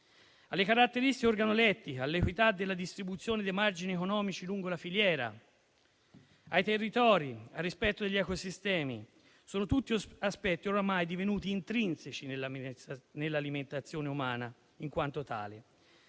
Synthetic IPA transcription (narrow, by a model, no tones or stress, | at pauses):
alːekaɾat̪ːeɾist̪ikeorɡanolɛt̪ːikalːekwit̪ad̪ːelːad̪ist̪ɾibut̪sːjoːned̪ejmard͡ʒiniekonɔːmit͡ʃiluŋɡolafiljɛːɾa̰ | ajt̪erːit̪ɔːɾiarːispɛt̪ːod̪eʎːɛkosist̪ɛːmi | soːnot̪ut̪ːiaspɛt̪ːioɾamajd̪ivenuːt̪iːnt̪ɾinset͡ʃin | nelːaliment̪at̪sːjoːneumaːna | iŋkwant̪ot̪a̰ːle